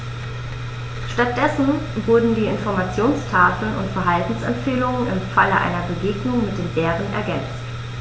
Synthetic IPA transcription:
ʃtat̚d̥ɛsn̩vʊɐdn̩diːɪnfɔɐmat͡sjoːnstʰaːfl̩nʊ̰ntfɛɐɦaltn̩sɛmtfeːlʊŋənɪ̰mfaləʔa̰ɪnɐbəɡeːɡnʊŋmɪt̚d̥eːnvɛːʁənɛ̰ɐɡɛnt͡st

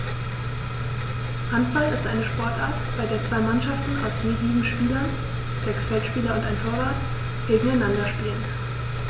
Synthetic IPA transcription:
ʔantb̥alɪstʔaɪnəʃpɔɐtʔaːɐtb̥aɪdeːɐt͡sv̥aɪmanʃaftn̩aʊsniːziːbm̩ʃpiːlɐn | z̥ɛksfɛltʃpiːlɐʊntaɪnfʰoːɐvaɐt | ɡ̥eːɡŋ̩aɪnandɐʃpiːlən

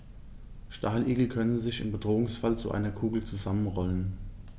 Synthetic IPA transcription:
ʃtʰaːlʔiːɡl̩kʰœnəzɪçɪmbədʁoːʊŋsfalt͡suʔa̰ɪnɐkʰuːɡl̩t͡suzamənʁɔlən

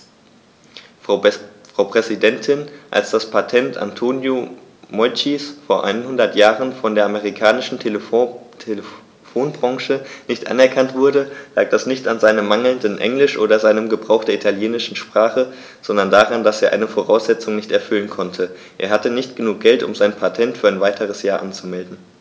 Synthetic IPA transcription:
fʁ̥aʊpʁ̥ɛzidɛntʰɪnʔa̰lsd̥aspʰatʰɛntʰa̰ntʰoːnjomɔʏt͡ʃisfoːɐʔa̰ɪnənhʊndɐtjaːʁənfɔndeːɐʔameʁikʰaːnɪʃn̩ | tʰelə | foːnbʁɑŋʃənɪçtʔa̰nɛɐkʰantv̥ʊɐdəla̰ːk̚d̥asnɪçtanzaɪnəmːaŋl̩ndənʔɛ̰ŋlɪʃʔoːdɐzaɪnəmɡəbʁaʊxd̥eɐʔitʰaljeːnɪʃn̩ʃpʁ̥aːχə | z̥ɔndɐndaːʁandaseːɐʔa̰ɪnəfoːʁaʊsz̥ɛt͡sʊŋnɪçtɛɐfʏlənkʰɔntʰə | ʔeːɐɦatənɪçt̚ɡ̥ənuːk̚ɡ̥ɛltʊ̰mzaɪnpʰatʰɛntfyːɐaɪnvaɪtʰəʁ̞əsjaːɐʔant͡sumɛldn̩

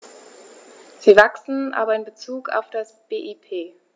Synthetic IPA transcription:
z̥iːvaksn̩ʔa̰ːbɐɪnbət͡suːkʰa̰ʊfd̥asb̥eːʔipʰeː

